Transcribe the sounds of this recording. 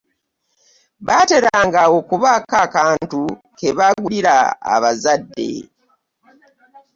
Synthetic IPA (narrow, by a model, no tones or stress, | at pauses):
βate̞ɾaːŋɡawokuβakakaːntukeβaɡuliɾa̰ːβazadːe̞̰